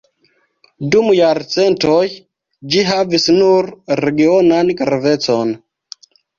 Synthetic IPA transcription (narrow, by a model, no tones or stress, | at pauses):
dumjaɾt͡se̞ntoj | d͡ʒiɦavisnuɾɾeɡio̞nankɾave̞t͡so̞n